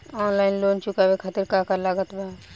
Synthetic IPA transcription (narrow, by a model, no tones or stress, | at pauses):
ɔːnlaːɪnloːnt͡ʃʊkabekʰat̪iɾkakalaɡət̪ba